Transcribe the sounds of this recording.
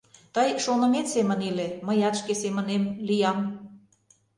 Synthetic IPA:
t̪əjʃonə̆met̪semə̆nileməjɑt̪ʃkesemə̆nemlijɑm

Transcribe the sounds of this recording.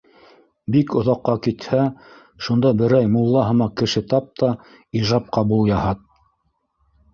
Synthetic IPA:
bikŏðɑqːɑkit̪hæ | ʃund̪ɑbɘ̆ɾæjmulˠːɑɦɤ̆mɑkɘ̆ʃɘt̪ɑp̚t̪ʰɑ | iʒɑp̚qɑbulˠjɑhɑt̪̚

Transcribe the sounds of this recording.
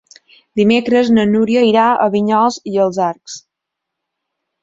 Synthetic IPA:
d̪imekɾəznənuɾiəiɾaə̰βiɲɔlˠziəlˠzaɾks

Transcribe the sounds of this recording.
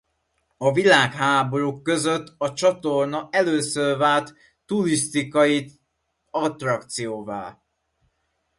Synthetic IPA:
ɒvilaːkhaːbo̞ɾukːø̞zøt̪ːɒt͡ʃɒt̪o̞rnɒʔɛløːsørvaːlt̪ː | ulist̪ikɒji | ɒt̪rɒkt̪sijoːva̰ːl

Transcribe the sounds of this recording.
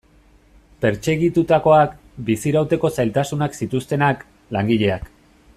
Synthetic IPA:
pe̞ɾt͡se̞ɣit̪ut̪ako̞ak | bisiɾawt̪e̞ko̞sajlt̪asunaksit̪ust̪e̞nak | laŋɡiʎe̞ak

